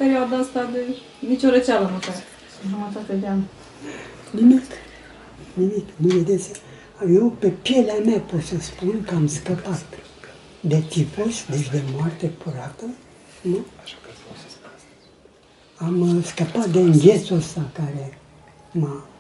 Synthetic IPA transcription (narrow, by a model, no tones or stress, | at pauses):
peɾiad̪aəst̪ad̪e | mit͡ʃoɾet͡ʃaləməkaat̪ | ʒumət̪at̪ed̪ʲan | nimik | nimikməved̪et͡s | jewpepjeleamepot̪səspunkəamskəpat̪ | d̪et̪ipəsʲd̪eʃd̪emwart̪epʰuɾat̪ə | nu | amskəpat̪̚d̪eŋɡʲet̪suəst̪akaɾe | ma